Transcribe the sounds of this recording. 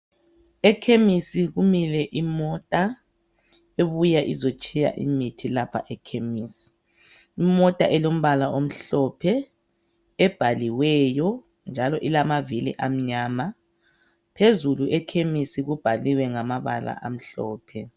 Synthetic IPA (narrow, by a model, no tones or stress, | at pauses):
ɛkʰemisiɣumilɛʔimɔtʼa | eβujaʔizot͡ʃʰʼija̰ʔḭmitʰilapʰa̰ʔɛkʰemiːsi̥ | imɔtʼa̰ʔɛlom̩βalaʔom̩ɬɔpʰɛ | ɛb̥ʱaliwɛjɔ | nd͡ʒʱalɔʔilamavilḭʔam̩ɲaːma | pʰezuluʔɛkʰemisiɣub̥ʱaliwɛŋamaβa̰la̰ʔam̩ɬɔ̰ːpʰɛ